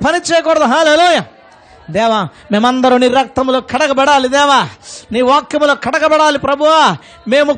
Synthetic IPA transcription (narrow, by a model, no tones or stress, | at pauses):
pɐnit͡ʃeːjɐkɔɽɐd̪uɦaːleːluːjɐ | d̪ɛːʋa | me̞ːmɐnd̪ɐɾuniɾːɐk̚t̪ɐmlo̞ːkʰɐʈɐkɐbɛɽaːlid̪ɛːʋaːniːʋaːkjɐmulo̞ːkʰɐʈɐkɐbɛɽaːlipɾɐbʱuʋaː | me̞ːmu